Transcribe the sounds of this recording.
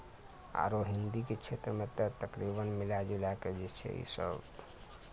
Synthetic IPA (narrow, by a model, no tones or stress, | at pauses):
a̰ɾoɦind̪iket͡ʃʰet̪ɾəmet̪ət̪əkɾibənmilad͡ʒelaked͡ʒɛt͡ʃʰɛ̰ḭsə̰bt̪